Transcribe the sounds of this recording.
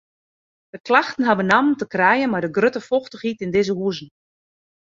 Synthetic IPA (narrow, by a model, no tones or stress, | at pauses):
d̥əklaxtən̩ɦabənamntəkrɛjənmadəɡrøtəfɔxtəxitɪndɪzəɦuəzn̩